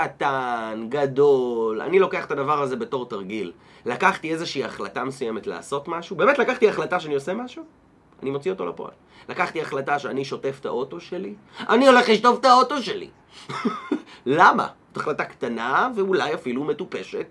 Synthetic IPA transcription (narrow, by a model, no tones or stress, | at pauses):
atanɡado̞la̰nilo̞ke̞aχt̪adavaʁaze̞be̞to̞ʁtaʁɡil | lakaχtie̞zeʃiːaχla̰tamesuje̞me̞tla̰ːso̞tmaʃubeːmetlakaχtiaχlataʃeanio̞se̞maʃu | a̰nimo̞t͡siotolapo̞̰a̰l | lakaχtiaχlataʃeaniʃo̞te̞fta̰ʔo̞to̞ʃe̞liʔa̰nio̞le̞χliʃto̞vtao̞to̞ʃe̞lḭ | lama̰ | taχlataktanaveulajafilume̞tupe̞ʃe̞t̚